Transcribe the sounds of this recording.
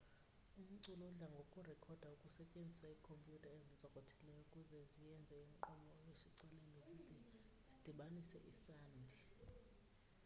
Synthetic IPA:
um̩ǀulɔɮaŋɡʱokʼurɛkʰɔd̥ʱaukʼusɛcʼend͡zʱiswaikʰompʼjutʼʰaezint͡sʼɔkʼotʰi̥lɛjɔukʼuzɛzijɛnd͡zʱɛiŋǃɔmɔjesiǀalenizidʱi | zi̥d̥ʱiɓanisɛ̰ʔisaːnd͡ɮʱɛ

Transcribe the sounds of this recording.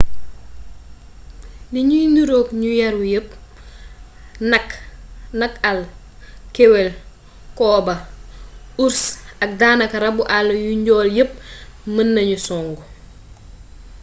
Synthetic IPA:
liɲujniɾokɲujɐɾwujəp̚ | nɐknɐkɐl | kɛwɛl | kɔːbɐ | uɾsɐk̚daːnɐkɐɾɐbuʔalɐjuɲɟɔːljəp̚mənːɐɲusɔːŋɡu

